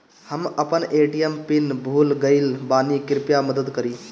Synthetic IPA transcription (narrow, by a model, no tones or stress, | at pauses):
həməpənʔeʈiempinbʱuːlɡəɪlbaːnikɪɾpjaməd̪əd̪kəɾi